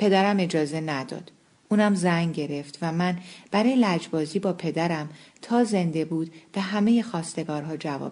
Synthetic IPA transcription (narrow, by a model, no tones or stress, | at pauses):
pʰe̞d̪æɾæme̞d͡ʒɒːze̞næd̪ɒ̰ːd̪̥ | ʔuːnæmzæŋɟe̞ɾe̞ft̪væmænb̥æɾɒːjelæd͡ʒbɒːziːbɒːpʰe̞d̪æɾæmt̪ʰɒːze̞nd̪e̞buːd̪̥b̥eɦæme̞jexɒːst̪e̞ɡɒːɾɦɒːd͡ʒævɒ̰ːb